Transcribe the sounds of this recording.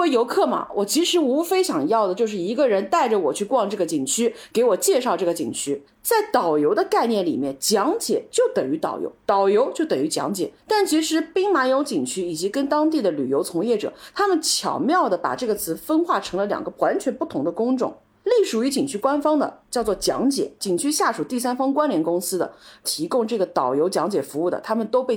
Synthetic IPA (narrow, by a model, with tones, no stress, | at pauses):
we˧˥jo˧˥ʊkʰɤ˥˩mɐ̰˩wʔɔ˨˩t͡ɕʰi˧˥ʂɻ̩˧˥u˧˥fe˥ɪɕjɑ˨˩ŋjɑ˥˩ʊd̪ə˩t͡ɕjo˥˧ʊʂ̬ɻ̩˥˩i˧˥ɡə˧ɻə˧˥nt̪a˥˩ɪʈ͡ʂə˩wɔ˨˩t͡ɕʰy˥˧kwɑ˥˧ŋʈ͡ʂɤ˥˩ɡə˩t͡ɕi˨˩ŋt͡ɕʰy˥ke˧˥ɪwɔ˨˩t͡ɕjɛ˥˧ʂɑ˥˧ʊʈ͡ʂɤ˥˩ɡə˩t͡ɕḭ˨˩ŋt͡ɕʰy˥ | t͡sa˥˩ɪt̪ɑ˨˩ʊjo˧˥ʊd̪ə˧ka˥˧ɪnjɛ˥˩nlḭ˨˩mjɛ˥˩nnt͡ɕjɑ˧˥ŋt͡ɕjɛ̰˨˩˦t͡ɕjo˥˩ʊt̪ə˨˩ŋy˧˥t̪ɑ̰˨˩ʊjo̰˧˥ʊt̪ɑ˨˩ʊjo˧˥ʊt͡ɕjo˥˩ʊt̪ə˨˩ŋy˧˥t͡ɕjɑ̰˧˥ŋt͡ɕjɛ̰˨˩t̪a˥˩nt͡ɕʰi˧˥ʂɻ̩˧˥pi˥ŋma˧˥jo˧˥ʊt͡ɕi˨˩ŋt͡ɕʰy˥i˨˩t͡ɕi˧˥kə˥nt̪ɑ˥ŋt̪i˥˩d̪ə˩ly˨˩jo˧˥ʊt͡sʰʊ˧˥ŋjɛ˥˩ʈ͡ʂɤ̰˨˩t̪ʰa˥mə˨nt͡ɕʰjɑ̰˨˩ʊmjɑ˥˩ʊd̪ə˩pa̰˨˩ʈ͡ʂɤ˥˩ɡə˩t͡sʰɹ̩˧˥fə˥nxwa˥˩ʈ͡ʂʰɤ˧˥ŋlə˧ljɑ̰˨˩ŋɡə˧˦wa˧˥nt͡ɕʰɥɛ˧˥npu˥˩t̪ʰʊ˧˥ŋd̪ə˧kʊ˥ŋʈ͡ʂʊ̰˥˩˦ŋ | li˥˩ʂu˨˩y˧˥t͡ɕi˨˩ŋt͡ɕʰy˥kwa˥nfɑ˥ŋd̪ə̰˨t͡ɕjɑ˥˧ʊt͡swɔ˥˩t͡ɕjɑ̰˧˥ŋt͡ɕjɛ̰˨˩˦t͡ɕi˨˩ŋt͡ɕʰy˥ɕja˥˩ʂu˨˩t̪i˥˩sa˥nfɑ˥ŋkwa˥nljɛ˧˥nkʊ˥ŋsɹ̩˥d̪ə̰˨t̪ʰi˧˥kʊ˥ŋʈ͡ʂɤ˥˩ɡə˩t̪ɑ˨˩ʊjo˧˥ʊt͡ɕjɑ˧˥ŋt͡ɕjɛ˨˩fu˧˥u˥˩d̪ə̰˩t̪ʰa˥mə˨nt̪o˥ʊpe˥˩